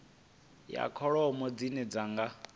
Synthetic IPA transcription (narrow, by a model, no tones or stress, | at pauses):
ja̰kʰɔɺɔɔmɔd͡zinɛd͡zaŋɡa